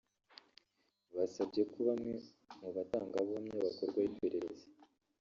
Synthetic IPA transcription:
βasabɟe̞kuβamŋe | muβataːŋɡaβamɲeβakoɾɡwaipe̞ɾe̞ɾeze̥

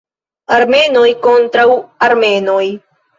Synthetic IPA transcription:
aɾmenojkont̪ɾawaɾmenoj

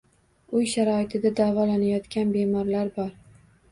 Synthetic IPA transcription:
ʊjʃaɾɒɪt̪ʰɪd̪ad̪avɒlanajɒt̪kʲanbe̞mɒɾlaɾbɒɾ

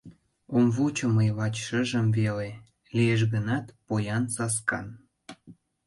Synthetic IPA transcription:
omvut͡ɕə̆məjβɑt͡ɕʃə̆ʒə̆mvele | lieʃ̬ɣənɑt̪pojɑnsɑskɑ̰n

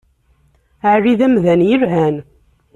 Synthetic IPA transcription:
aʕriðæmðænjəɾɦæn

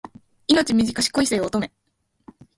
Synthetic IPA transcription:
ino̞t͡ɕimʲiʑikaɕi̥ko̞iseːoːt̪o̞me̞

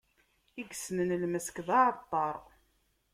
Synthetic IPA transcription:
iɡsnənəlməskðˤɑʕət̪ˤːɑɾˤ

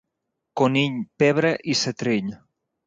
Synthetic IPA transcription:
koniʎpeβ̞ɾeʔiset̪ɾiʎ

